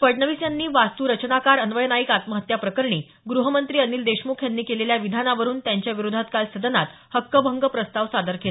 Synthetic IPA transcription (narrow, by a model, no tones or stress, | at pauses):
fəɖnəʋisjanːiːʋast̪uːɾət͡ɕnakaɾənʋəjənaikat̪məɦət̪japɾəkəɾɳiː | ɡɾuɦəmənt̪ɾiːəniːld̪eɕmukʰjanːiːkeleljaʋid̪ʱanaʋəɾuːnt̪jaɲt͡ɕjaʋiɾod̪ʱat̪kalsəd̪ənat̪ | həkːəbʱəŋɡəpɾəst̪aʋsad̪əɾkele